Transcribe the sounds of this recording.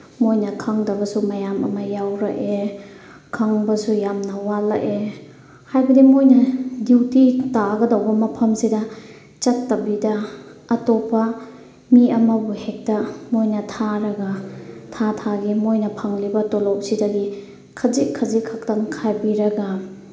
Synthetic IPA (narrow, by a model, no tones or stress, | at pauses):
mojnɐkʰaŋdɐbɐsumɐjamɐ̰mɐjawɾɐ̰ʔe | kʰaŋbɐsujamnɐwala̰ʔe | hajbɐdimojnɐdiwtitaɡɐdawbɐmɐpʰɐmsidɐ | t͡ʃɐtːɐbidɐːtopːɐ | miɐmɐbuhek̚tɐmojnɐtʰaɾɐɡɐtʰatʰaɡimojnɐpʰaŋlibɐtolowsidɐɡi | kʰɐzikʰɐzikʰak̚tɐŋkʰajbiɾɐɡa